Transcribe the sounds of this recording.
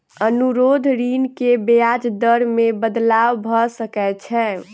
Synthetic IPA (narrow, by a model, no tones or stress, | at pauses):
ənuɾod̪ʱɾinkebejad͡ʒd̪əɾmebəd̪lawbʱɔsəkɛt͡ʃʰɛ